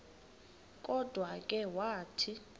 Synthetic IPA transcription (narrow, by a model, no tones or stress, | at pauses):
kʼɔd̥ʱwakʼɛwaːtʰi